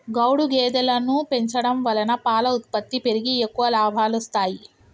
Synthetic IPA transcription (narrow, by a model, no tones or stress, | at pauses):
ɡɐwɽuɡɛːd̪ɐlɐnupe̞ɲt͡ʃɐɽɐmʋɐlɐnɐpaːlɐut̪̚pɐt̪ːipe̞ɾiɡiekːuʋɐlaːbʱaːlɔst̪aːji